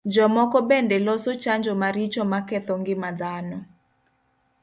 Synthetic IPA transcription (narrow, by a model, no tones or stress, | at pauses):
d͡ʒɔmɔkɔbɛndɛlɔsot͡ʃaɲd͡ʒɔmaɾit͡ʃɔmakɛt̪ɔŋɡɪmad̪anɔ